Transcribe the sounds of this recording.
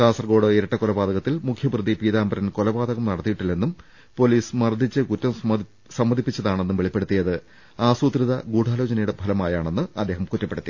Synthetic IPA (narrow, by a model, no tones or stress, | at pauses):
ʈaːsɐrɡo̞ːɽɨiɾɐʈːɐkolɐbaːd̪ɐɣɐt̪ːilmukʰjɐbrɨðipiːðaːmbɐɾɐnko̞lɐbaːd̪ɐɣɐmnɐɽɐt̪ːijiʈːilːenːum | po̞liːsmɐrd̪ʱːit͡ɕːɨkutːɐm | sɐmːɐd̪ʱipːit͡ɕːɐðaːɳe̞nːumʋeɭipːe̞ɽut̪ːijɐðɨ | aːsuːt̪riðɐɡuːʈʰaːlo̞ːt͡ɕɐnɐjuɽebʱɐlɐmaːjaːɳe̞nːɨɐd̪ʱːe̞ːɦɐmkutːɐpːe̞ɽut̪ːi